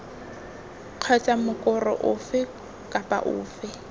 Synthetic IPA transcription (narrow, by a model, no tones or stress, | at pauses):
q͡χʰɛt͡sʼamʊkʼʊrɔ̰ʔʊfɪ | kʼapʼa̰ʔʊ̰ːfɪ